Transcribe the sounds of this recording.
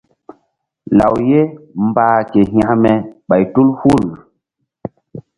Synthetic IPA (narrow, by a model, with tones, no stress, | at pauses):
la̰˨wje˦mbaː˦ke˨ɦa˦mɛ˨ɓa˨jtu˦lhu˦˨l